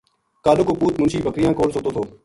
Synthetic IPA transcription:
kaːɗokoːpuːt̪mʊnʃiːbəkɾɪjãːkoːlsoːt̪oːt̪ʰoː

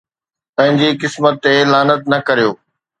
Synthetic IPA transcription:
pɐ̃ɦɪ̃ɲd͡ʑikɪsmət̪ːelaːnət̪̚nɐkɐɾijoː

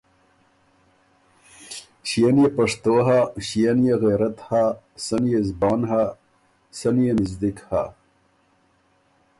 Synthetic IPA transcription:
ɕijanjepaʂt̪oɦaɕijanjeɣeɾɐt̪ha | sɐnjezbɑːnɦa | sɐnjenizd̪ikha̰

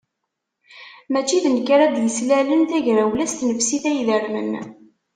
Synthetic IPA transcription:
mæt͡ʃːiðənkːɾad̪jəslælənθæʝɾæwlæst̪nəfsiθæjðəɾmə̰n

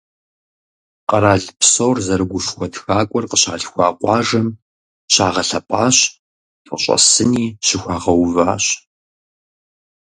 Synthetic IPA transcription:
qɐɾaːɮpsoːrzɐɾɨɡʷʊʃxʷɔtxaːkʷʼɔrqəɕa̰ːɮxʷɑːqʷɑːʐɐm | ɕaːʁɐɬɐpʼaːɕ | tʼəɕʷʼɐ̰sɨniːɕɪxʷaːʁɐwva̰ːɕ

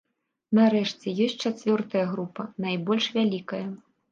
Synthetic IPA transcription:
naɾɛʂt͡sʲɛjɔsʲtʲt͡ʂat͡sʲvʲɔrt̪ɐjɐɣɾupɐnajbɔlʲʂvʲalʲikɐjɐ

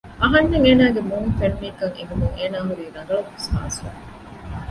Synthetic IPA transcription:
ʔɐɦɐnːeŋeːnaːɡemuːnfeɳːiːkɐŋḛɡumuŋeːnaːɦuɾiːɾɐŋɡɐlukːusha̰ːsɐ̰

